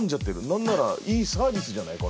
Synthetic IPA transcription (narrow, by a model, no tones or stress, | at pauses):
ɲ̟d͡ʑat̪ːe̞ɾɯ̟nãnːaɾaiːsaːbʲisɨʑanaiko